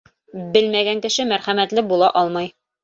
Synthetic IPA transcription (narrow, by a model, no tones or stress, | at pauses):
bɘlmæɡæŋkɘ̆ʃɘmæɾχæmæt̪lɘbulˠɑʔɒlˠmɑj